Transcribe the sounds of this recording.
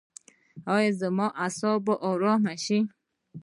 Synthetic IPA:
ɔjezemɔʔasɔbɔʔɔɾɔmaʃi

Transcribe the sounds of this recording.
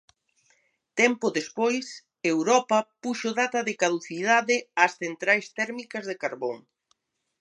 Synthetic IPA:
t̪ɛmpʊðespojs | ewɾɔpɐpuʃoðat̪ɐðɪkaðuθiðaðɪɐsθent̪ɾajst̪ɛɾmikɐzðekaɾβoŋ

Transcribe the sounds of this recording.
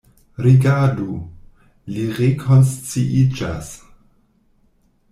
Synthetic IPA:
ɾiɡadu | liʁekʰonst͡siʔid͡ʒa̰s

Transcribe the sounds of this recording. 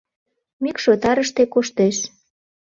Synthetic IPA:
mikʃot̪ɑɾəʃt̪ekoʃt̪eʃ

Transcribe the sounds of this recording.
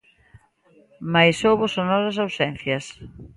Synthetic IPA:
majsowβʊsonɔɾɐsawsɛn̟θjɐs

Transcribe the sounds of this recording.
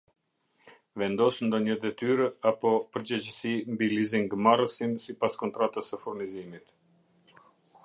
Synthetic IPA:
vɛnd̪ɔsnd̪ɔɲəd̪ɛt̪yɾəapɔpəɾd͡ʑɛd͡ʑəsimbiliziŋɡmarəsinsipaskɔnt̪ɾat̪əsəfuɾmizimit̪

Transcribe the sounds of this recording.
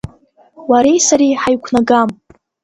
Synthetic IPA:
waɾejsaɾijħajkʷʰnaɡam

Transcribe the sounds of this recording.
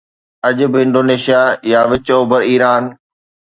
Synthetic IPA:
ɐʄʊbɪɪ̃ɳɖoːneːʃijajaːʋɪt͡ɕoːbəɾiːɾaːn

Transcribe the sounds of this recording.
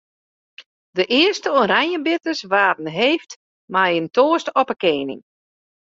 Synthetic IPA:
dəʔɪəstəoɾaɲjəbɪtəsʋaːtn̩ɦeːft | majəntoːəstɔpəkeːnɪ̰ŋ

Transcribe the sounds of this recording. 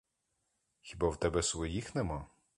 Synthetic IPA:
xʲibawt̪ɛbɛsʋɔjixnɛmɔ

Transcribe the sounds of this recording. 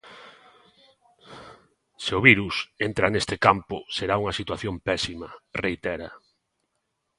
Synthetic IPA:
seʊβiɾusent̪ɾanest̪ɪkampʊseɾauŋɐsit̪waθjompɛsimɐrejt̪ɛɾɐ

